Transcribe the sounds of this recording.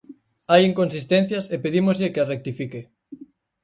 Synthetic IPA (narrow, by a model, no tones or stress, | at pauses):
ajiŋkonsist̪ẽn̟θjɐsepeðimozʎekearek̚t̪ifike